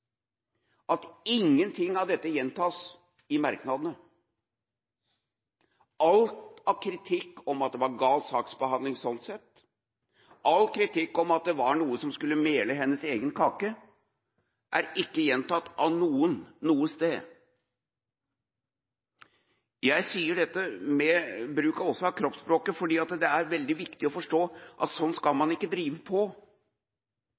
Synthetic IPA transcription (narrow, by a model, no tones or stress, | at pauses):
ʔɑt̪ɪŋːənt̪ʰɪŋːɑʋd̪ɛt̪ːəjɛnt̪ʰɑːs | ɪmɑɾknɑd̪ənə | ʔɑlt̪ɑʋkʰɾɪt̪ʰɪkːɔmɑt̪̚d̪ɛʋɑɾɡɑːlsɑːksbəhɑnd̪lɪŋsɔnt̪sɛt̪ː | ɑlkʰɾɪt̪ʰɪkːɔmɑt̪̚d̪ɛʋɑɳuːəsɔmskʉlːəmeːləɦɛnːəseːɡənkʰɑːkə | ʔæɾɪkːəjɛnt̪ɑt̪ːɑnuːənːuːəst̪eː | jæɪsiːəɖɛt̪ːəmɛbɾʉːkɑɾɔsːɔɑʋkʰɾɔpspɾoːkəfɔɖiːɑt̪d̪ɛæɾʋɛld̪ɪʋɪkt̪ɪɔfɔʂʈoːʔɑ̰t̪sɔnːskɑlmɑnɪkːəd̪ɾiːʋəpʰɔ